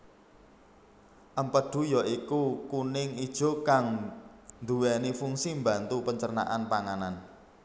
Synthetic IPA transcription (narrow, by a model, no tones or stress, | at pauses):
ʔəmpəɖ̥ṳjaʔikukunɪŋid̥ʒ̥ɔ̤kaŋ | nd̪uwɛnifuŋsimba̤nt̪upəɲt͡ʃərna̰ʔanpaŋanan